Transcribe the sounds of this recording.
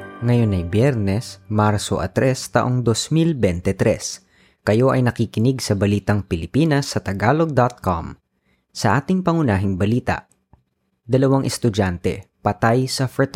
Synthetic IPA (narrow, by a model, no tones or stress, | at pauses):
ŋɐjonːɐjbjɛɾnɛsmaɾso̰ʔɐ̰t̪ɾʔɛst̪ɐʔo̞ŋd̪osmilbɛnt̪ɛt̪ɾɛs | kɐjo̞ʔɐjnɐkiːkɪnɪɡsɐbɐliːt̪ɐŋpɪlɪpiːnɐsːɐt̪ɐɡaːloɡ̚d̪at̪̚ko̰m | sɐʔaːt̪ɪŋpɐŋʊnaːɦɪŋbɐliːt̪ɐ̰ʔ | d̪ɐlɐwaŋʔɛst̪ʊd͡ʒant̪ɛpɐt̪ajsɐfɛt̪